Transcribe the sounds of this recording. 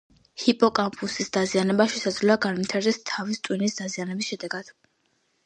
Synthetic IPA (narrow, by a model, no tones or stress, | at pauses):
hipʼɔkʼampʰʼusisd̪azianɛbaʃɛsad̪zvlɛaɡanvit̪ʰaɾd̪ɛst̪ʰavist̪ʼwinisd̪azianɛbisʃɛd̪ɛɡad̪̥